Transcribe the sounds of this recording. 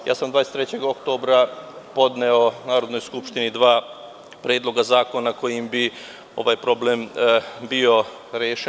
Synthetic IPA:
ja̰ːsamd̪ʋaːjest̪ɾet͡ɕe̞ɡokt̪oːbɾapo̞d̪neonaːɾo̞d̪no̞jskupʃt̪inid̪ʋaː | pɾeːd̪lˠo̞ɡazaːko̞nako̞jimbi | o̞̰ʋajpɾoblembio̞ | ɾjeːʃe

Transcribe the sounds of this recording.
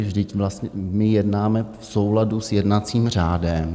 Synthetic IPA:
vʒdɪcvlast̪ɲɛmɪjɛdnaːmɛfsowladusjɛdnat͡siːmr̝aːdɛm

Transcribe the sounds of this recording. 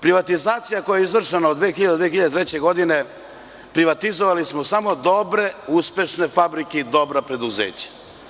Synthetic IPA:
pɾiʋat̪izaːt̪sijakojeizʋr̩ʃenaod̪ʋeːxiʎad̪ed̪ʋeexiʎad̪et̪ɾet͡ɕe̞ɡo̞d̪ine̞ | pɾiʋat̪izoʋalismosamo̞d̪o̞bɾe̞uspe̞ʃne̞fabɾikeid̪o̞bɾapɾe̞d̪uzḛːt͡ɕḁ

